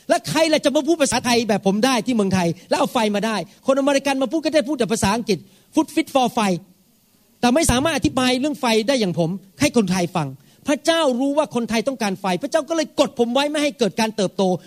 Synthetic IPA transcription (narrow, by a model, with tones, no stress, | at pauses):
lɛ˦˥kʰɾa˧jlɛ˨˩t͡ɕa˨˩ma˧pʰuː˥˩t̪̚pʰa˧saː˨˦t̪ʰa˧jbɛː˨˩pʰːo˩˦mdaː˥˩jt̪ʰiː˥˩mɯ˧əŋt̪ʰa˧jlɛ˦˥ʔa˧wfa˧jmaː˧daː˥˩jkʰo˧nʔa˧ma˧ɾi˧˥ka˧nmaː˧pʰuː˥˩kɔ˥˩daː˥˩puː˥˩t̪̚ka˨˩pʰa˧saː˩˦ʔa˧ŋki˨˩t̪̚ | fu˦˥t̪̚fi˦˥t̪̚fɔː˧fa˧j | t̪ɛː˨˩ma˥˩jsaː˩˦maː˥˩ʔa˧t̪ʰi˦˥baː˧jɾɯ˥˩əŋfa˧jdaː˥˩jːaː˨˩ŋpʰo˩˦mha˥˩jkʰo˧nt̪ʰa˧jfa˧ŋ | pʰɾa˦˥t͡ɕaː˥˩wɾuː˦˥waː˥˩kʰo˧nt̪ʰa˧jt̪ɔ˥˩ŋkaː˧nfa˧jpʰɾa˧˥t͡ɕaː˥˩wkɔː˥˩lɤː˧jko˨˩t̪̚pʰo˩˦mwa˦˥jma˥˩jha˥˩jkɤː˨˩t̪̚kaː˧nt̪ɤː˨˩p̚t̪oː˧